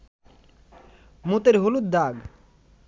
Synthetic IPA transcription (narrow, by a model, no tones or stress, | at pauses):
mut̪eɾɦolud̪̚d̪aɡ